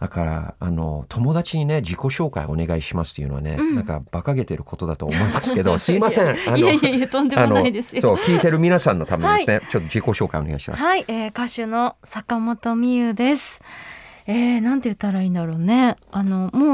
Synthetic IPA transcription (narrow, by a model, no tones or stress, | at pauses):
d̪akaɾa̰a̰no̞̰t̪ʰo̞mo̞d̪at͡ɕiɲ̟ine̞d͡ʑiko̞ɕo̞ːka̰ḭo̞̰ne̞ɡaiɕimasɨ̥t̪ːojiɯ̟noa̰ne̞̰nãŋka̰b̥akaɡe̞t̪e̞ɾɯ̟kʰo̞t̪o̞d̪at̪o̞̰ːmo̞imasɨke̞d̪o̞sɨimasẽanaiaiet̪õ̞nd̪e̞mnononaid̪e̞sɨ̥josoːkʲiːt̪e̞ɾɯ̟mʲinasãnːo̞t̪amẽeisɨnet͡ɕo̞t̪ːo̞ʑd͡ʑiko̞ɕo̞ːka̰io̞neɡa̰iɕima̰saieːkaɕɨno̞sakamo̞t̪o̞mʲijɯ̟d̪e̞sɨ̥ | eːnãnt̪e̞jɯ̟t̪ːaɾaĩːnd̪aɾo̞ːne̞ano̞moː